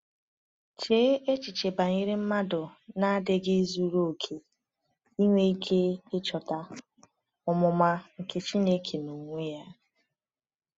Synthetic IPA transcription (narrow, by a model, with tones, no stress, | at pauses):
t͡ʃe˦ʔe˦t͡ʃi˨t͡ʃe˨ba˨ŋi˦ɾɪ˦m̩˦ma˦dʊ˨na˦a˦dɪ˦ɡɪ˦zu˦ɾo˦o˨kʰe˨ | i˦ŋʷe˦i˦kʰe˦ɪ˦t͡ʃɔ˨ta˦ | ʊ˨mʊ˨ma˦ŋ̩˨ke˦t͡ʃi˦ne˦kʰe˨nu˨ŋʷe˦ja˦